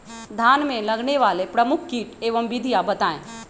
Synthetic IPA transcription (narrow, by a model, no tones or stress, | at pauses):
d̪ʱaːnmẽlɐɡneʋaːlepɾɐmʊkʰkiːʈeːʋəmʋɪd̪ʱijabɐt̪aːḛ̃ː